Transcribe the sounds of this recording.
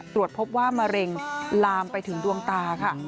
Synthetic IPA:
t̪ɾu˨˩ət̪̚pʰo˦˥p̚waː˥˩ma˧ɾe˧ŋlaː˧mpa˧jt̪ʰɯ˨˩˦ŋdu˧əŋt̪aː˧kʰa˥˩

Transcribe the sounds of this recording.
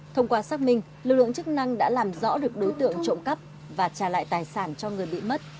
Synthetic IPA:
t̪ʰə˧wŋ͡mkwaː˧saː˦˥k̚mï˧ŋ̟ | lɨ˨˩k̚lɨ̰˧˨əŋt͡ɕɨ˦˥k̚na˧ŋɗa̰ː˧˥laː˨˩mzɔ̰˧˥ɗɨ˨˩ək̚ɗo˨˦jt̪ɨ̰˧˨əŋt͡ɕo̰˧˨wŋ͡mkə˦˥p̚ | vaː˨˩t͡ɕaː˨˩la̰ː˧˨jt̪aː˨˩jsaː˧˩nt͡ɕɔ˧ŋɨ˨˩əjɓḭ˧˨mə˦˥t̚

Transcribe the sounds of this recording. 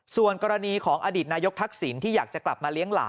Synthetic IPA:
su˨˩ənkɔː˧ɾa˧niː˧kʰɔː˩˦ŋʔaː˧diː˨˩t̪̚naː˧jo˦˥k̚t̪ʰa˦˥k̚si˩˦nt̪ʰiː˥˩jaː˨˩k̚t͡ɕa˨˩kla̰˨˩p̚maː˧li˦˥əŋla̰ː˩˦

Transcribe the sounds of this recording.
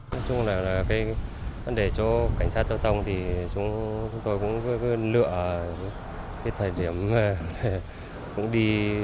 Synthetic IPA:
nɔ˨˦˥jt͡ɕʊ˧ŋ͡mlaː˨˩laː˨˩kaː˨˦jvə˨˦˥nɗe˨˩t͡ɕɔ˧ka˧˩ŋ̟saː˦˥t̚t͡ɕɔ˧wt̪ʰə˧wŋ͡mt̪ʰi˨˩t͡ɕʊ˨˦ŋ͡mt͡ɕʊ˨˦ŋ͡mt̪o˧jkʊ̰˧˥ŋ͡mkkɨ˨˦lɨ̰˧˨ə˧˦ | kaː˨˦jt̪ʰəː˨˩jɗi˧˩əmːaː˨˩le˨˩ | kʊ̰˧˥ŋ͡mɗi˧

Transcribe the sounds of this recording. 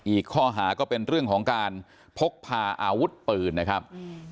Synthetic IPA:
ʔiː˨˩kʰːɔː˥˩ɦaː˩˦kɔː˥˩pe˧nɾɯ˥˩əŋkʰɔː˩˦ŋkaː˧n | pʰo˦˥k̚pʰaː˧ʔaː˧wu˦˥t̪̚pɯː˨˩nna˦˥kʰɾa˦˥p̚

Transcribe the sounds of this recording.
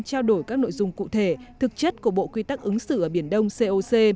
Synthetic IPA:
t͡ɕaː˧wɗo˧˩jkaː˦˥k̚no̰˧˨jzʊ˧ŋ͡mkṵ˧˨t̪ʰe˧˩t̪ʰɨ˨˩k̚t͡ɕə˦˥t̚kəɓo̰˧˨kwi˧t̪a˦˥k̚ʔɨ˨˦ŋsɨ̰˧˨ʔəː˧˩ɓi˧˩ənɗə˧wŋ͡mse˧ʔo˧se˧

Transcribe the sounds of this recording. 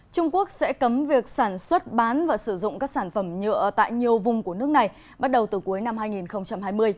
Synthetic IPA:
t͡ɕʊ˧ŋ͡mku˦˥ək̚sɛ̰˧˥kə˨˦mvi˨˩ək̚saː˧˩nswə˦˥t̚ɓaː˨˦nvaː˨˩sɨ˧˩zʊ̰˧˨ŋ͡mkaː˦˥k̚saː˧˩nfə˧˩mɲə̰˧˨ət̪a̰ː˧˨jɲi˨˩əwvʊ˨˩ŋ͡mku˧˩ənɨ˦˥ək̚na˨˩j | ɓa˦˥t̚ɗə˨˩wt̪ɨ˨˩ku˨˦jna˧mɦaː˧jŋi˨˩nxə˧wŋ͡mt͡ɕa˧mhaː˧jmɨ˧əj

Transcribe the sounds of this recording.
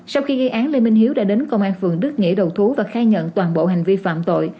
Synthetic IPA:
sa˧wxi˧ɣə˧jʔaː˨˦nli˧nmi˧ŋ̟ɦi˨˦əwɗa̰ː˧˥ɗe˨˦nkə˧wŋ͡mʔaː˧nfɨ˨˩əŋɗɨ˦˥k̚ŋḭ˧˥əɗə˨˩wt̪ʰu˨˦vaː˨˩xaː˧jɲə̰˧˨nt̪waː˨˩nɓo̰˧˨ɦa˨˩ŋ̟vi˧fa̰ː˧˨mt̪o̰˧˨j

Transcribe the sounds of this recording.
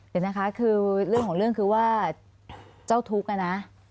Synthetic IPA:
ki˨˧˩na˦˥kʰa˦˥kʰɯː˧ɾɯ˥˩əŋkʰɔː˨˩˦ŋɾɯ˥˩əŋkʰɯː˧waː˥˩ | t͡ɕa˥˩wt̪ʰu˦˥k̚ːa˧na˦˥ʔ

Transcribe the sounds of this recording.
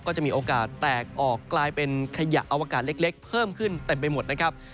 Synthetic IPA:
kɔː˥˩t͡ɕa˨˩ʔmiː˧ʔoː˧kaː˨˩t̪ːɛː˨˩k̚ʔɔː˨˩kːlaː˧jpe˧nkʰa˧ja̰˨˩ʔa˧wa˧kaː˨˩t̪̚le˦˥k̚le˦˥k̚pʰɤː˥˩mkʰɯ˥˩nt̪e˧mp̬a˧jmo˨˩t̪̚na˦˥kʰa˦˥p̚

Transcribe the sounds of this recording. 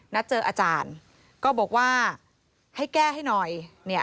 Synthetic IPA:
na˦˥t̪̚t͡ɕɤː˧ʔaː˧t͡ɕaː˧n | kɔː˥˩bɔː˨˩k̚waː˥˩ | ha˥˩jkɛː˥˩ɦa˥˩jnɔ˨˩jni˥˩ɐ

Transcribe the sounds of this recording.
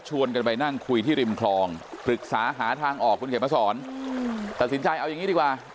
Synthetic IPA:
t͡ɕʰu˧ənk̬a˧npa˧jna˥˩ŋkʰu˧jt̪ʰiː˥˩ɾi˧mkʰlɔː˧ŋpʰɾɯ˨˩k̚saː˩˦ɦaː˩˦t̪ʰaː˧ŋʔɔː˨˩k̚ʰːu˧nke˩˦ma˧˩sɔː˩˦n | t̪a˨t̪̚si˩˦nt͡ɕa˧jʔa˧wja˨ŋːi˦˥di˧kwaː˨˩

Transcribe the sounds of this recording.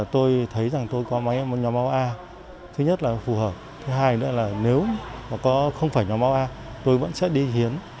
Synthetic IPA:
t̪o˧jt̪ʰə˨˦jza˨˩ŋt̪o˧jkɔ˨˦ma˨˦˨ɲɔ˨˦ma˧wʔaː˧ | t̪ʰɨ˨˦ɲə˦˥t̚laː˨˩fu˨˩həː˨˩p̚t̪ʰɨ˨˦ɦaː˧jnɨ̰˧˥əlaː˨˩ne˨˦wmaː˨˩kɔ˨˦xə˧wŋ͡mfaː˧˩jɲɔ˨˦ma˧˦wʔaː˧ | t̪o˧jvə̰˧˥nsɛ̰˧˥ɗi˧hi˨˦ən

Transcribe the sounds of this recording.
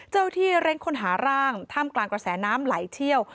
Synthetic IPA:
t͡ɕa˥˩wt̪ʰiː˥˩ɾe˦˥ŋkʰo˧nɦaː˩˦ɾaː˥˩ŋt̪ʰaː˥˩mklaː˧ŋkɾa˧sɛː˩˦naː˦˥mlaː˩˦jt̪ʰi˥˩əw

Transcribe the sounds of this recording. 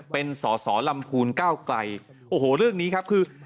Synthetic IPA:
pe˧nsɔː˩˦sɔː˩˦la˧mpʰuː˧nkaː˥˩wkla˧j | ʔoː˧˩hoː˨˩ɾɯ˥˩əŋniː˦˥kʰa˦˥p̚kʰɯː˧

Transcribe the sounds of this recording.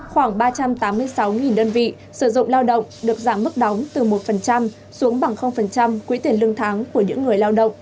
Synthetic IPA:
xwaː˧˩ŋɓaː˧t͡ɕa˧mt̪aː˨˦mːɨ˧əjsa˨˦wŋi˨˩nɗəː˧nvḭ˧˨ | sɨ˧˩zʊ̰˧˨ŋ͡mlaː˧wɗə̰˧˨wŋ͡mɗɨ˨˩ək̚zaː˧˩mːɨ˦˥k̚ɗɔ˨˦wŋ͡mt̪ɨ˨˩mo˨˩t̚fə˨˩nt͡ɕa˧m | su˨˦əŋɓa˨˧˩ŋxə˧wŋ͡mfə˨˩nt͡ɕa˧mkwi˨˧˦t̪i˨˩ənlɨ˧əŋt̪ʰaː˨˦ŋku˧˩əɲɨ̰˧˥ŋː˨˩əjlaː˧wɗə̰˧˨wŋ͡m

